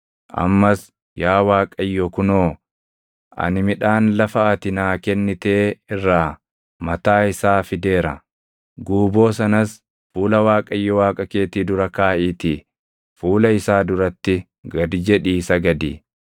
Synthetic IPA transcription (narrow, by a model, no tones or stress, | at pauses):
ʔɐ̰mːɐs | jaːwaːkʼɐjːɔkʊnoː | ʔɐ̰nɪmɪᶑaːnlɐfɐɐt̪ɪnaːkɛnːɪt̪eːɪrːaː | mɐt̪aːɪsaːfɪd̪e̞ːɾɐ̰ | ɡuːbo̞ːsɐnɐs | fuːlɐwaːkʼɐjːɔwaːkʼɐkeːt̪iːd̪ʊɾɐkaːʔiːt̪i | fuːlɐɪsaːd̪ʊɾɐt̪ːɪ | ɡɐd̪ɪd͡ʒɛᶑiːsɐɡɐd̪iː